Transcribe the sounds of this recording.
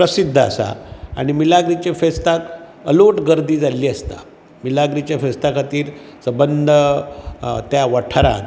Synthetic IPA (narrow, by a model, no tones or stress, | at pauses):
pɾəsid̪ʱːəa̰sa̰a̰ɽ̃imilaɡɾit͡ɕefest̪ak | əloʈɡəɾd̪ʱiːd͡zalːiːəst̪a̰ | milaɡɾit͡ɕjafest̪akat̪iːɾ | səbənd̪ʱə | t̪jaʋaʈʰaɾa̰n